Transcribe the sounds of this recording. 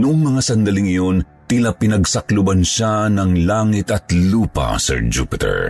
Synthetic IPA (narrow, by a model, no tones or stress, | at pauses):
nʊŋmɐŋasɐnd̪ɐliŋjon | t̪ilɐpɪnɐɡsɐklʊbanʃanɐŋlaːŋɪt̪ɐt̪luːpɐ̰sɛ̰ɹd͡ʒṵpɪt̪ɛ̰ɹ